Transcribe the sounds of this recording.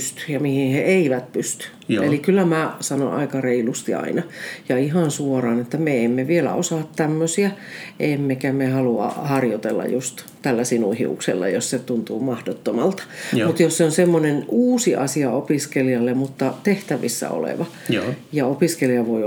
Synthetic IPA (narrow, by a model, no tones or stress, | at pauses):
st̪y̥jɑmihinheeiʋæt̪pyst̪y̥ | ʔelikylːæmæsɑno̰nɑ̰ikɑreilust̪iɑ̰inɑjɑihɑnsuorɑːnet̪ːæmeemːeʋielæ̰osɑːˑt̪tæmːøsiæʔemːekæmehɑluɑ̰hɑrjot̪ḛlːɑ̰just̪ | t̪ælːæsinuhḭṵksḛlːɑ̰josset̪unt̪uːmɑhdot̪ːomɑlt̪ɑ̥mut̪josseonsemːonenuːsiʔɑsiɑopiskeliɑlːemmut̪ːɑt̪eht̪æʋḭsːæ̰o̰lḛʋɑ | jɑopiskeliɑʋoi